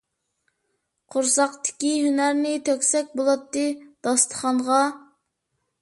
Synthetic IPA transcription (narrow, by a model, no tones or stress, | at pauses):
qʰʊɾsɑqt̪ɪ̥kʲihynæɾnɪt̪ʰøkʲsɛk̚ʲbolˠɑt̪ːɨd̪̥ɑst̪ʰə̥χɑɴʁɑ